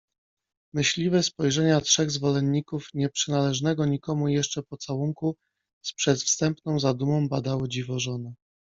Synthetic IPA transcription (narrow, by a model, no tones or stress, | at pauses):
mɘɕlʲivɛspɔjʐɛɲatʂɛɣzvɔlɛnːikufɲɛpʂɘnalɛʐnɛɡɔɲikɔmujɛʂt͡ʂɛpɔt̪sawuŋku | spʂɛt̪fst̪ɛmpnɔ̃w̃zad̪umɔ̃w̃bad̪awɘd͡ʑivɔʐɔnɛ